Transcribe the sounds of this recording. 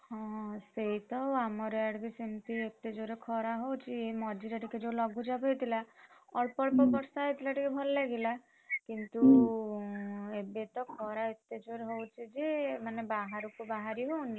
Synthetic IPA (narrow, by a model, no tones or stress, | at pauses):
hɔ̃seɦit̪ɔamɔɾɔaɽbisimt̪iet̪ed͡ʒoɾekʰɔɾaɦowt͡ʃʰiemɔd͡ʒiɾɔʈʰiked͡ʒowlɔɡʱud͡ʒabɦojt̪ʰilaɔɭpɔɭpɔbɔɾsaɦet̪ʰilaʈikebʱɔlɔlaɡila | kint̪u | ebet̪ɔkʰɔɾaet̪ed͡ʒoɾɦowt͡ʃʰid͡ʒemanebaɦaɾukubaɦaɾiɦowni